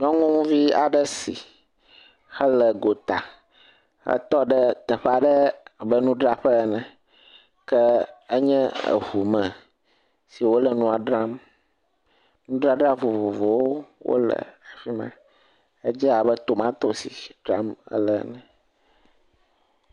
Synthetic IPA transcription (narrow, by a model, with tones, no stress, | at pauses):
ɲɔ̃˦ŋũ˦ŋũ˦vi˦a̰˨ɖə˦si˨ | xə˦lə˨ɡo˨t̪a˨ | xə̰˦t̪ɔ˦ɖə˦t̪ɛ˨ɸɛ˦a˨ɖə˦a˨bə˦nũ˦ɖɾa˦ɸə˦nɛ̃˨ | kɛ˦ə˦ɲɛ̃˦ə̰˨ɦu˨mɛ̃˨ | si˨wo˦lə˨nũ˦a˨ɖɾa˦m | nũ˦ɖɾa˦ɖɾa˦vo˨vo˨vo˨wo˦wʔo̰˦lə̰˨a˨fi˦mã̰˦ | ə˦d͡ʒɛ˦a˨bə˦t̪o˨mã˦t̪o˦sḭ˨ɖɾa̰˦mə̰˦lə˦nɛ̃˨